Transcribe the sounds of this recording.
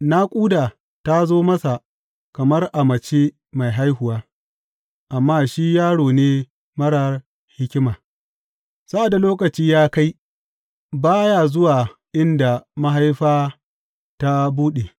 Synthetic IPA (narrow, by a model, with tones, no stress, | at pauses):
na˦kʷʼuː˦daː˨ | ta˦zoː˦mɐ˦sa˨ | kɐ˨mɐ˦rʔa˨mɐ˨t͡ʃeː˦ | ma˨jɦa˦jhʊ˨waː˦ | ʔa˨mːaː˦ʃi˦jaː˦ɽoː˨neː˦ | mɐ˦ɽɐ˨r | hɪ˦kʲɪ˦maː˨ | sa˦ʔa˨da˨loː˦kɐ˨t͡ʃiː˦jaː˦ka˦j | baː˦jaː˨zʊ˦waː˨ʔɪ˦nda˨mɐ˦ɦa˦jɸaː˦ | ta˦buː˦ɗe˨